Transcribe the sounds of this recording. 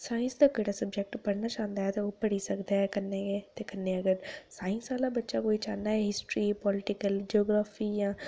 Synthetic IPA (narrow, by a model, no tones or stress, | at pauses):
saːɪ̃nsd̪aːkəɽaːsəbd͡ʒɛk̚ʈpəɽnaːt͡ʃãːnd̪aːɦɛːt̪eːoːpəɽiːsəkd̪aːɦɛːkənːeːɡeːt̪eːkənːeːəɡəɾsaːɪ̃nsaːlaːbətːʃaːkoːiːt͡ʃaːnd̪aːɦɛɦɪsʈɾiːpɔːlɪʈɪkəld͡ʒiɔːɡɾaːfʰiːjãː